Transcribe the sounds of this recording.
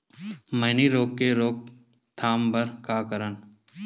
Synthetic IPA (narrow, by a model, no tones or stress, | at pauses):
mɐɦniɾoːkːeɾoːk̚ | t̪ʰaːmbəɾkaːkəɾən